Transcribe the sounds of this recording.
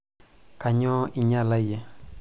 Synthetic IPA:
ka˨ɲɔ˦i˨ɲa˦˨la˦je˨˦

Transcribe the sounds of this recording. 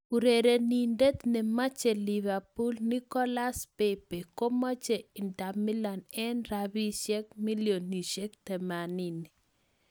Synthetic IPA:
ku˨ɾe˨ɾe˨ni˨nde˦t̪nɛ˨ma˦t͡ʃɛ˨li˨βa˨pu˦lni˦kɔ˦la˦spe˦pe˨ko˦mɔ˦t͡ʃe˨i˨nta˨mi˦la˨nɛ˦nɾabi˦ʃɛ˦k̚mi˦ljo˨ni˨ʃɛ˦k̚t̪ɛ˨ma˨ni˦ni˨

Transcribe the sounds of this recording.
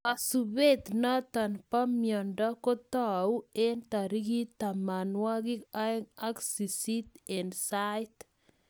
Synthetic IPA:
a˨sube˦t̪nɔ˦t̪a˨npa˦mjɔ˨ndɔ˦kɔ˦t̪ɔu˦e˦nt̪a˨ɾi˦ɡi˦t̪a˨ma˨nwa˦ɡɪ˦a˦ŋaksi˨sit̪ɛnsajt̪

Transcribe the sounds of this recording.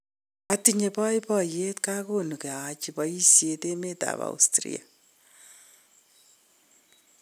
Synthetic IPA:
a˨ti˨ɲe˨pɔ˦i˦pɔ˦je˦tka˦ko˦nu˨ke˨a˨t͡ʃipai˦si˨e˨te˦meta̰˨βa̰ṵstɾḭ˦a̰˨

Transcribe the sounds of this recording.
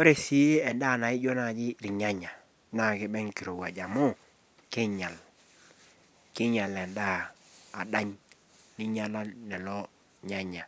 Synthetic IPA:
o˦ɾe˨si˨˦e˦ɛ˨nda˦˨na˨ɪ˦d͡ʒɔ˦na˨d͡ʒɪ˦ɾi˨ɲa˦ɲa˨ | na˨kɪ˦bɛ˦ŋki˨ɾo˨ɡa˨d͡ʒa˨mʊ˦ | kɪ˦ɲa˨l | kɪ˦ɲa˨lɛ˨ndaː˦˨da˦ɲ | ni˦ɲa˦la˦nɛ˨lɔ˦ | ɲa˦ɲa˨

